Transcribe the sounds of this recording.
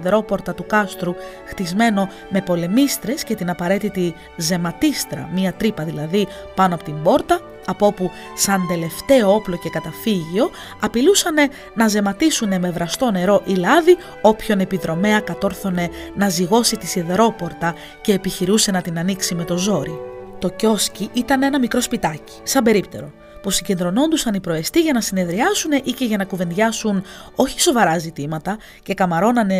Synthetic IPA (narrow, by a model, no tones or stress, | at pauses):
ðeɾo̞po̞ɾt̪ɐt̪ukɐst̪ɾu | xt̪izme̞no̞ | me̞po̞le̞mist̪ɾe̞sce̞t̪inɐpɐɾe̞t̪it̪i | ze̞mɐt̪ist̪ɾɐ̰miɐt̪ɾipɐðilɐði | pɐnoɐpo̞t̪imbo̞ɾt̪ɐː | po̞pu | sɐnd̪e̞le̞ft̪e̞o̞o̞plo̞ce̞kɐt̪ɐfiʝio̞ | ɐpilusɐne̞ | nɐze̞mɐt̪isune̞me̞vɾɐst̪o̞ne̞ɾo̞ʔilɐði | o̞pço̞ne̞piðɾo̞me̞ɐkɐt̪o̞ɾθo̞ne̞nɐziɣo̞sit̪isiðeɾo̞po̞ɾt̪ɐ | ce̞ːpiçiɾuse̞nɐt̪inɐniksime̞t̪o̞zo̞ɾit̪o̞co̞sciʔit̪ɐne̞nɐmikɾo̞spit̪ɐci̥sɐmbe̞ɾipt̪e̞ɾo̞ | pusiɲɟe̞nd̪ɾo̞no̞nd̪usɐnipɾo̞e̞st̪iʝɐnɐsine̞ðɾiɐsune̞ʔice̞ʝɐnɐkuve̞nʝɐsuno̞çi̥so̞vɐɾɐzit̪imɐt̪ɐ | ce̞kɐmɐɾo̞nɐne̞